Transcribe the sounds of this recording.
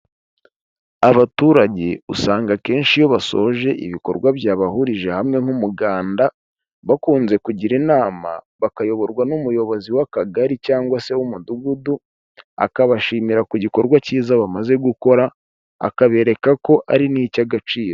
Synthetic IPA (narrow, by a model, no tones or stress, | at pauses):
aβatuːɾaɟe̞usaːŋɡake̞ːnʃijo̞βaso̞̰ʒe̞ʔḭβiko̞̰ɾɡwaβjaːβahuɾiʒe̞hamŋe̞ŋ̥humuɡaːnda | βakuːnze̞kuɟiɾinaːma̰βakajo̞βo̞ɾɡwanumujo̞βo̞ziwakaɡaɾicaːŋɡwase̞wumuduɡudu | a̰kaβaʃiːmiɾakuɟiko̞ɾɡwaciːzaβamaze̞ɡuko̞ɾa | a̰kaβe̞ːɾe̞kako̞ʔaɾiniːcaɡat͡ʃiːɾo